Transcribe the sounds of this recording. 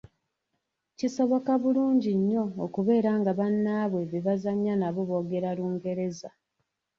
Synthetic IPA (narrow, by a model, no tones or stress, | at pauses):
ciso̞βo̞kaβuluːɲɟiɲːo̞ːkuβe̞ːɾaːŋɡaβanːaːβwe̞βeβazaɲːanaβoβo̞ːɡe̞ɾaluːŋɡe̞ɾe̞za